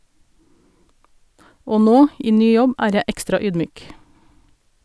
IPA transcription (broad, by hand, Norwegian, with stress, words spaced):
ˈoː ˈnoː ˈʔiː ˈnyː ˈjɔb ˈæːɾ ˈjɛ ˈɛkstɾɑ ˈyːdˌmyːk